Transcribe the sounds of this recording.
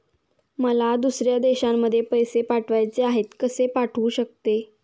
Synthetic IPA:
məlad̪usɾjad̪eɕamːəd̪ʱːjepəjsepaʈʰʋajt͡seaɦet̪kəsepaʈʰuːɕək̚t̪e

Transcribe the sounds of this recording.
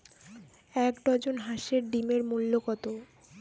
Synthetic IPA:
ɛkɖɔd͡ʑonɦaʃeɾɖimeɾmulːokɔt̪o

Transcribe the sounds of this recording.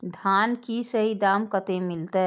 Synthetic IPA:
d̪ʱaːnkisəɦid̪aːmkət̪ẽmɪlt̪e

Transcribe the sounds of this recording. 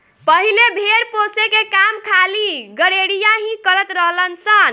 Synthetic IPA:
pəɦilebʱeɾposekekamkʰaliɡəɽeɽijaɦĩkəɾət̪ɾəɦlənsən

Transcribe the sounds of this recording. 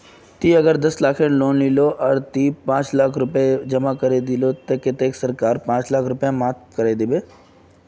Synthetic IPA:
t̪iːɐɡəɾd̪ɐslaːkʰẽloːnliloʔɔɾt̪iːpãːt͡ʃlaːkʰɾʊped͡ʒɐmakɐɾed̪ɪlot̪ɐkɪt̪eːksɐɾkaːɾpãːt͡ʃlaːkʰɾʊpjãmaːt̪̚kəɾed̪ɪbeː

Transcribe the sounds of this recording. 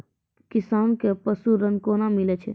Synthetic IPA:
kisaːnkepəsuɾənkonamilɛt͡ʃʰɛ

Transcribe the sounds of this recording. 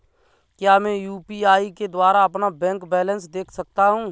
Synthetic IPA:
kjaːmɛ̃juːpiaːiked̪waːɾaɐpnabɛ̃ːŋkbɛːlə̃nsd̪eːkʰsək̚t̪aɦũː

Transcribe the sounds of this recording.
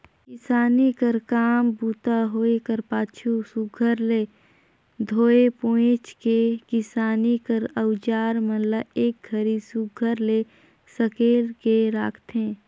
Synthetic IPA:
kɪsaːnikəɾkaːmbuːt̪aɦoːekəɾpaːt͡ʃʰusuɡʱəɾle | d̪ʱoːepõːɪ̃t͡ʃkekɪsaːnikəɾəwd͡ʒaːɾmənləeːk̚ɡʱəɾisuɡʱəɾle | səkeːlkeɾaːkʰt̪ẽː

